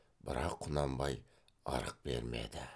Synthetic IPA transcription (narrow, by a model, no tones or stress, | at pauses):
bɪɾɑqʰːʊnɑmbɑj | ɑ̰ɾəq̚b̥ḛɾmḛd̪ɪ